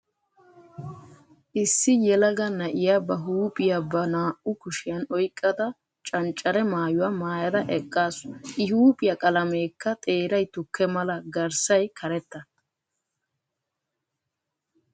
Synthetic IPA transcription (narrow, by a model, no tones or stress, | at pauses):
ʔɪsːɪjɛlɐɡɐnɐʔɪjabɐɦuːpʼɪjabɐnaːʔʊkʊʃɪjɐnɔjkʼːɐd̪ɐ | t͡ʃʼɐnt͡ʃʼːɐɾɛmaːjʊwamaːjɐd̪ɐʔɛkʼːaːsʊnʔɪɦuːpʼɪjɐkʼɐlɐmeːkːɐt̪ʼe̞ːɾɐjt̪ʊkʰːɛmɐlɐɡɐɾsɐjkʰɐɾɛt̪ːɐ